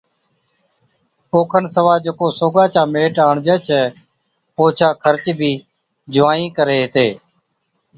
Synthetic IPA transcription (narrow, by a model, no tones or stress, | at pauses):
poːkʰənsəʋaːd͡ʒəkoːsoːɡãːt͡ʃaːmeːʈaːɳd͡ʒɛːt͡ʃʰɛː | poːt͡ʃʰaːkʰəɾt͡ʃbʱiː | d͡ʒʊʋaːĩːkəɾeːɦɪt̪eː